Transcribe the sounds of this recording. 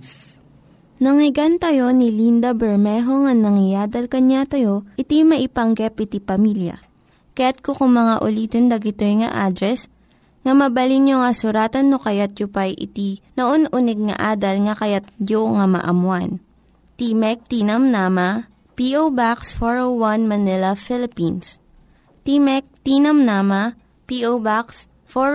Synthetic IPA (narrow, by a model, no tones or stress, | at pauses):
nɐŋɪɡant̪ɐjo̞nɪlind̪ɐbɛɹmɛɦo̞ŋɐnɐŋɪjaːd̪ɐlkɐɲat̪ɐjo̞ʔɪt̪imɐʔɪpɐŋɡɛpɪt̪ipɐmiljɐ̰ | kɐjat̪̚kokʊŋmɐŋaʔʊliːt̪ond̪ɐɡɪt̪ojŋɐ̰ʔad̪ɾɛs | ŋɐmɐbɐlinjoŋɐsʊɾaːt̪ɐnːokɐjat̪̚jʊpɐjʔɪ̰t̪inɐʔonʔunɛɡ̚ŋɐ̰ʔaːd̪ɐlŋɐkɐjat̪̚d͡ʒoŋɐmɐ̰ʔɐmwan | t̪imɛk̚t̪iːnɐmnaːmɐ | piʔowbaksfoɹowwɐnmɐnɪlɐfɪlɪpins | t̪imɛk̚t̪inɐmnaːmɐ | piʔobaks | fo